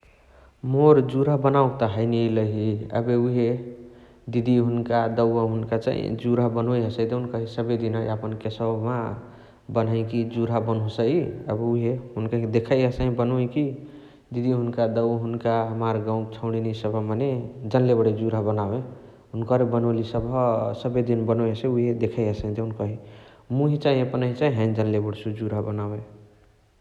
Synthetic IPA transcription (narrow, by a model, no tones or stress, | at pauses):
moɾd͡ʒuɾabənaukt̪əɦəɪniləɦiə̰beuɦe | d̪id̪iɦunkad̪əwəɦunkat͡ʃa̰ɦḭd͡ʒuɾabənojɦəsəjd̪eunkəɦisəbed̪inəjəpənkesəma | bənəɪ̃kid͡ʒuɾabənɦosəjə̰buɦeɦunkad̪ekʰəjɦəsəɦĩbənoĩki | d̪id̪ʱiɦunkad̪əwɦunkaɦəmaɾɡãũt͡ʃʰəʊɽ̃inisəbʱmaned͡ʒənlebəɽed͡ʒuɾabənae | ɦunkəɾbənolisəbʱsəbed̪inbənoeseuɦed̪ekʰəjəsə̃ĩd̪enkəɦi | muɦit͡ʃaɦĩəpənəɦit͡ʃaĩɦə̃nd͡ʒənlebəɽsud͡ʒuɾabənawe